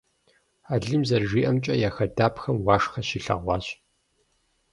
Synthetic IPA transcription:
aːɮɨmzɐrʒiːʔɐmt͡ʃʼɐjaxɐdaːpʰxɐmwɑːʂxɐɕiɬɐ̰ʁʷɑːɕʼ

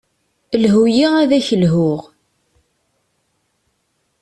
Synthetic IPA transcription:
lɦujiʁæðæçəlɦʊʁ

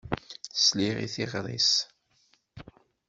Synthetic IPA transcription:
θsliʁḭθiʁɾˤḭs

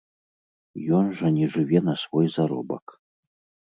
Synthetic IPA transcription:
jɔnʐɐnʲɛʐɨvʲɛnɐsvɔjzaɾɔ̰bɐ̰k

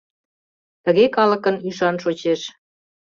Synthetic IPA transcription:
t̪əɣekɑlə̆kənyʃɑnʃot͡ɕeʃ

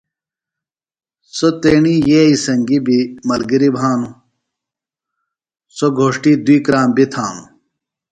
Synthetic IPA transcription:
sot̪eːɳijeːisɐŋɡibimɐlɡiɾibʱaːnu | soɡʱoːʂʈiːd̪wiːkɾaːmbit̪ʰaːnṵ

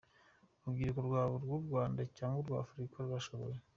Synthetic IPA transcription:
ubɡiːɾekuɾɡwaːβuɾɡuːbɡwaːndacaːŋɡoɾɡwa̰ːfɾikaɾwaʃoβo̰je

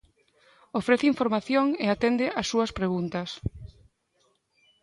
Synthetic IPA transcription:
ofɾeθeiɱfoɾmaθjoŋeat̪end̪ɪʔasːuɐspɾeɣunt̪ɐs

